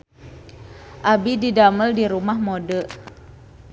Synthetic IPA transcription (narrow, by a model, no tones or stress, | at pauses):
ʔabididaməldiɾumahmodə